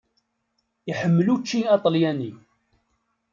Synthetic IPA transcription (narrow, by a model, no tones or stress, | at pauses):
iħəmːəlut͡ʃːiɑt̪ˤəljæni